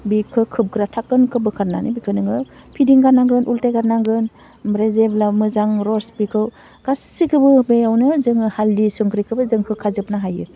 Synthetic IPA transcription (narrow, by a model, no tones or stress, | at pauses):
bikʰːɯkʰɯp̚ɡɾatʰakɯnkʰɯbɯkʰaɾna̰nɯbikʰɯnɯŋɯ | pʰidiŋɡanaŋɡɯnʔultajɡanaŋɡɯn | bɾezeblamɯzaŋɾɔsbikʰɯw | ɡ̥assikʰɯbɯbejawnɯzɯŋɯhaldisɯŋkɾikʰɯbɯzɯŋkʰɯkʰazɯp̚naɦajɯ